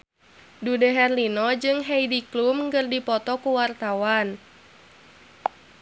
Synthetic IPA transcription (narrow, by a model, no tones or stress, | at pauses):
dudəɦɛrlinɔd͡ʒɨŋɦɛjdiklumŋɡɨrdipɔt̪ɔkuwart̪awan